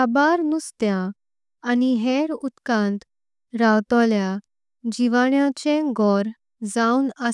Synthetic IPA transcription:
abaɾnust̪jaː | niɦeɾut̪kãnt̪ | ɾawt̪ɔlja | d͡ʑiʋaɳjat͡ɕẽɡɔɾ | d͡zaunə

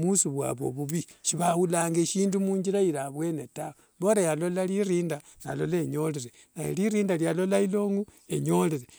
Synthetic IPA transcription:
musuβwa̰βo̞̰βuβiʃiβahulaːŋɡeʃiːndumuːɲd͡ʒiɾaiɾaβwe̞netawo | βo̞ɾajalo̞laliɾiːnda | na̰lo̞leɲo̞leɾe | najḛliɾiːndaljalo̞lailo̞ːŋɡueɲo̞leɾe

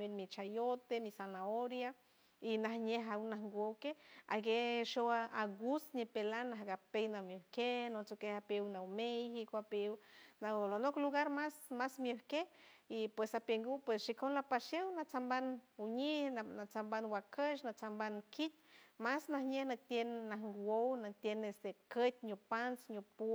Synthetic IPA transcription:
ilmit͡ʃajot̪emisanaoɾja | inahɲeɦawnahŋɡʷokea̰ɡeʃowaaɡusɲipelanːaɦɡapejnamjohkenot͡sokehapwnawmejhikoapewnalonokluɡaɾmasmasmjohkehipwesapeŋɡupwesʃikonlapaʃewnat͡sambanuɲihanat͡sambanwakəʃnat͡sambankʰit̪̚masnahɲehnat̪jenːahŋɡownat̪jenest̪ekət̪̚ʲɲopansɲopu

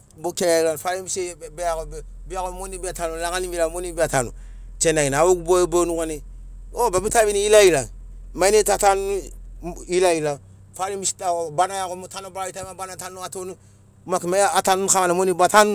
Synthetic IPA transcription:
bokejalanfaɾimisebeaɡob | biaɡomonibiatanulaŋanimiɾamonibiatanṵ | t͡ʃenainawoɡubabonuɡaneobabitabiniilailamanetatan | ilaila | faɾimbisi̥taobanajaɡomotanobɾaβitamabanatanuatonu | makimaːtanunkaanamonibatanu

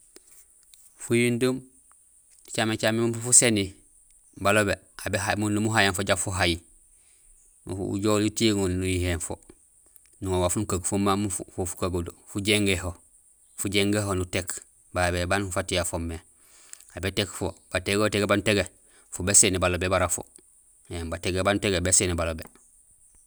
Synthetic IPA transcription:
fujindum | t͡ʃamet͡ʃamemufufuseni | balobe | abeɦamunːumuɦajanfoɟafuɦaji | ṵṵɟoːlitiŋulnujihenfo̰ | nuŋowafunukaɡfumamufufofu̥kaɡudofuɟeŋɡeho | fuɟeŋɡeɦonutek | babebanfatijafomːe | abetekfob̥ateɡoteɡebanuteɡe | fobesenibalobebaɾafo̰ | embateɡebanuteɡebesenibalobe

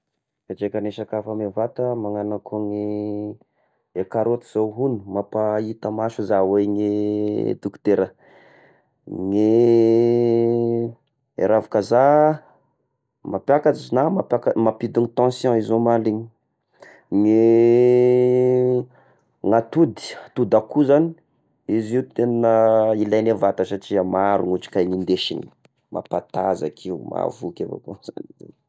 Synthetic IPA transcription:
kad͡ʒekaneʃakafamevat̪əmaŋanakoŋe | ekaɾot̪iz̥oɦunu̥mapait̪əmaʃuzaweŋed̪ukt̪eɾə | ŋe | ḛɾavakaza | mapjakat͡sizinamapakamapid̪init̪ɑ̃sjɔ̃izomaliɲi | ŋe | ŋat̪ud̪i̥t̪ud̪akuzani | iziut̪ennəilajnevat̪əsaʈ͡ʂiəmaɾuŋuʈ͡ʂi̥kajnind̪eʃḭni̥ | mʔa̰pat̪aza̰kʰiuma̰vukʲavo̰koz̥a̰niḛ

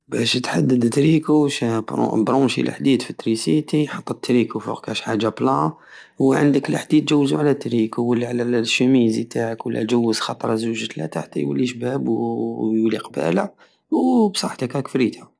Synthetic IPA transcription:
bæʃt̪ħad̪ːəd̪t̪ɾikuʃbɾ̰bɾˤumʃḭlʔħd̪id̪fit̪ːɾisit̪ijħɑt̪ˤːət̪ːɾikufṵqkæʃħaʒːablɑ | wʕə̰nd̪əkləħd̪it̪ːʒæwːzuʕlæt̪ːɾikuwəlːʕllʃæmizit̪ʰaʕəkwəlːæ̰ʒəwːəzxɑt̪ˤɾˤɑzuʒət̪læ̰t̪aħt̪ḭjwə̰lːiʃbæbjuliqbæ̰læ̰ | wbsˤɑħt̪əkækfɾit̪æ

